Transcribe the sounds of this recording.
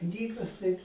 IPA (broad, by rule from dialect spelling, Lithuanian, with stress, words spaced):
ˈknʲiːɡɐs tɐɪ